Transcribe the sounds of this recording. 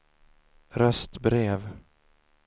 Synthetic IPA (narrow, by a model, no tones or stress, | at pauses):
ɾœst̪bɾeːv